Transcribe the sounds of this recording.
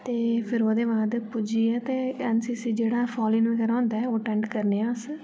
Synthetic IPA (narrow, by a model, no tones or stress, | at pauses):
t̪eːpʰɪɾoːd̪eːbaːd̪pʊd͡ʒiːɛːt̪eːɛnsiːsiːd͡ʒeːɽaːpʰɔːlĩːnʋĩːkəɾãːnd̪aːɛoːʈɛ̃ːɳɖkəɾneːãːs